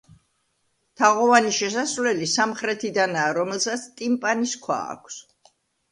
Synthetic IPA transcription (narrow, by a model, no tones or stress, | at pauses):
t̪ʰaʁɔvaniʃɛsasvlɛlisamχɾɛt̪ʰid̪anaːɾɔmɛlˠsat̪sʰt̪ʼimpʼaniskʰwa̰ːkʷʰs